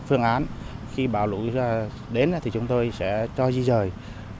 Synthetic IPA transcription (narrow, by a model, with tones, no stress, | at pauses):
fɨ˧əŋʔaː˨˦nxi˧ɓa̰ː˧˨wlṵ˧˥jzaː˧ | ɗe˨˦n˨˦t̪ʰi˨˩t͡ɕʊ˨˦ŋ͡mt̪o˧jsɛ̰˧˥t͡ɕɔ˧zi˧zəː˨˩j